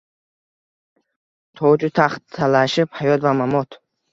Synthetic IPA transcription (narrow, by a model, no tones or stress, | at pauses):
t̪ʰɔd͡ʒut̪ʰaχt̪ʰːalaʃiphajɔt̪vamamɔt̪ʰ